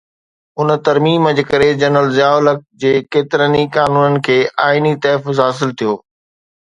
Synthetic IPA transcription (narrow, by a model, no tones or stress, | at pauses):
ʊn̆t̪ɐɾmiːməd͡ʑkɐɾed͡ʑɐnəlzɪjaːʊlək̚d͡ʑeːkeːt̪ɪɾənikaːnuːnənɪ̆kʰeːʔaːɪnit̪ɐːfʊzɦaːs̬ɪlt̪ʰijoː